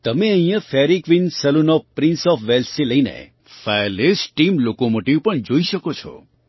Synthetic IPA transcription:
t̪əmeəĩjafeɾikʋinsəlunɔpɾĩnsɔfʋelsiləinḛ | falesʈʈimlokomoʈiʋpəɳd͡ʒoiʃəkot͡ʃʰɔ̰

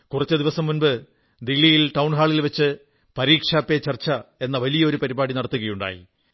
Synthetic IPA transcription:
kurɐt͡ɕːɨd̪iʋɐsɐmːunbɨ | d̪ilːijilʈɐwɳɦaːɭilʋɐt͡ɕːɨ | pɐɾiːkʂaːpːet͡ɕɐrt͡ɕːɐe̞nːɐʋɐlijɐo̞ɾupɐɾibaːɽinɐɽɐt̪ːuɣɐjuɳɖa̰ːjḭ

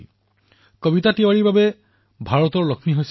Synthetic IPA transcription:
kɔbitatiwaɹiɹbabe | bʱaɹɔt̪ɔɹlɔkʰniɦojs

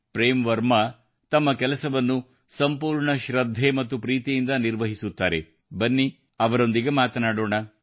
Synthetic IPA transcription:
pɾeːmʋɐɾmɐ | t̪ɐmːɐkɛlɐsɐʋɐnːu | sɐmpuːɾɳɐʃɾɐd̪ʱːe̞mɐt̪ːupɾiːt̪ijind̪ɐniɾʋɐɦisut̪ːaːɾe̞̰ | bɐnːi | ɐʋɐɾo̞nd̪iɡemaːt̪ɐnaːɽoːɳɐ

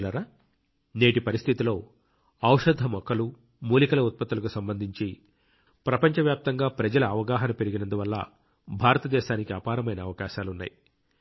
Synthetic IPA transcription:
lɐɾa | neːʈipɐɾist̪ʰit̪ilo̞ː | ɐwʂɐd̪ʱːɐmɔkːɐlu | muːlikɐlɐut̪̚pɐt̪ːulɐkusɐmbɐnd̪ʱiɲt͡ʃi | pɾɐpɐɲt͡ʃɐʋjaːp̚t̪ɐŋɡaːpɾɐd͡ʒɐlɐːʋɐɡaːɦɐnɐpe̞ɾiɡinɐnd̪uʋɐlːɐ̰ | bʱaːɾɐt̪ɐd̪ɛːʃaːnikiɐpaːɾɐmɐjnɐːʋɐkaːʃaːlunːa̰ːji

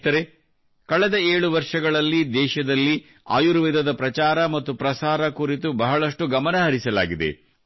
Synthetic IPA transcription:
t̪ɐɾe | kɐɭɛd̪ɐeːɭuʋɐɾʂɐɡɐɭɐlːid̪ɛːʃɐd̪ɐlːi | a̰ːjuɾuʋid̪ʱɐd̪ɐpɾɐt͡ʃaːɾɐmɐt̪ːupɾɐsaːɾɐkuɾit̪̬ubɐɦɐɭɐʂʈuɡɐmɐnɐɦɐɾisɐla̰ːɡid̪e̞̰

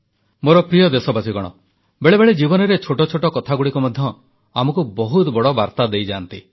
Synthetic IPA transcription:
moɾɔpɾijɔd̪esɔbasiɡɔɽ̃ɔ̰ | beɭebeɭed͡ʒibɔnɔɾet͡ʃʰoʈɔt͡ʃʰoʈɔkɔt̪ʰaɡuɽikumɔd̪ʱjɔ | amɔkubɔɦut̪bɔɽɔbaɾt̪ad̪ejd͡ʒaːnt̪i

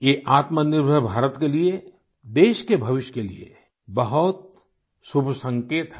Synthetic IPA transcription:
jeːʔaːt̪mənɪɾbʱəɾbʱaːɾət̪kelie | d̪eːʃkebʱɐʋɪʃkelḭḛ | bɐɦʊt̪̚ | sʊbʱsɐ̃ŋkeːt̪ɦɛ

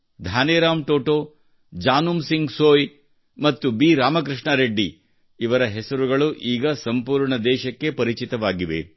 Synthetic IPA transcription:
d̪ʱaːnɛːɾaːmʈoːʈoː | d͡ʒaːnumsiŋɡsoːj | mɐt̪ːubiːɾaːmɐkɾiʂɳɐɾeɖːi | iʋɐɾɐɦɛsɐɾuɡɐɭuʔiːɡɐsɐmpuːɾɳɐd̪ɛːʃɐkːepɐɾit͡ʃit̪ɐʋaːɡiʋḛ

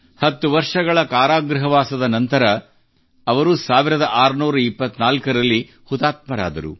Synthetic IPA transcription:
hɐt̪ːuʋɐɾʂɐɡɐɭɐkaːɾaːɡɾɐɦɐʋaːsɐd̪ɐnɐnt̪ɐɾɐː | ɐʋɐɾusaːʋiɾɐd̪ɐʔaːɾnuːɾɐipːɐt̪ːnaːlkɐɾɐlːi | hut̪aːt̪̚mɐɾa̰ːd̪ɐ̰ɾṵ

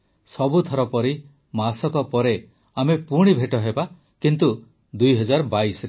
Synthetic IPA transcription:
sɔbut̪ʰɔɾɔpɔɾi | masɔkɔpɔɾe | amepuɽ̃ibʱeʈɔɦeba | kint̪u | d̪ujɦɔd͡ʒaɾɔbaisɔɾe

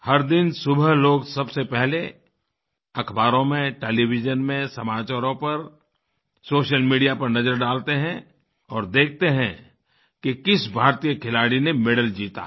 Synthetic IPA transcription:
hɐɾd̪ɪnsʊbəɦloːɡsɐbsepɛɦle | ɐkʰbaːɾõmẽʈeːlibɪd͡ʒənmẽsɐmaːt͡ʃaːɾõpɐɾ | soːʃəlmiːɖijapɐɾnɐzəɾɖaːlt̪eɦɛ̃ | ɔːɾd̪eːk̚ʰt̪eɦɛ̃ | kekɪsbʱaːɾt̪ijəkʰɪlaːɽinemɪɖəld͡ʒiːt̪a̰

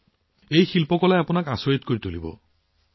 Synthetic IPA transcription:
ejxilpɔkɔlajapʊnakasɔjit̪koɹit̪olḭbɔ̰

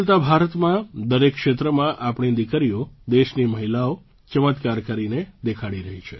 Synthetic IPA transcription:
lt̪abʱaɾət̪mãd̪əɾekːʃet̪ɾəmãʔapɳ̃id̪ikəɾiod̪eʃniməɦilao | t͡ʃəmət̪kaɾkəɾined̪ekʰaɽiɾəɦit͡ʃʰe

